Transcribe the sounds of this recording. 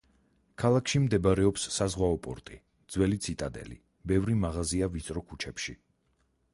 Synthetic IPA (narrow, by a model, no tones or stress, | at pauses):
kʰalˠakʰʃimd̪ɛbaɾɛɔpsːazʁwaɔpʼɔ̰ɾt̪ʼi | d̪z̥wɛlit̪sʰit̪ʼad̪ɛ̰lḭ | bɛvɾimaʁaziavit̪sʼɾɔkʰut͡ʃʰɛpʃi